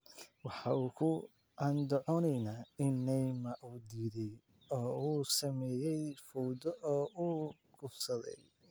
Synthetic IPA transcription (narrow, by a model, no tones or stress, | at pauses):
wɑħɑuːkʰʊ | ɑnd̪ɔʕɔnɛjnaːɪnːɛjmɐʔuːd̪iːðɛj | ɔːuːsɐmɛːjɛjfɔwd̪ɔʔɔːʔuː | ɡʰʊfsɐðɛ̰j